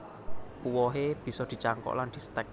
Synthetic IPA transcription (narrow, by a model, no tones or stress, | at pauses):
puwɔɦeb̥i̤sɔd̪̥i̤t͡ʃaŋkɔ̰ʔland̪̥i̤st̪ɛk̚